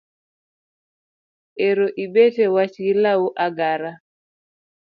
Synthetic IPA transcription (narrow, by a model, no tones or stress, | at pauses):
eɾoʔiɓɛtɛwat͡ʃilauʔaɡaɾa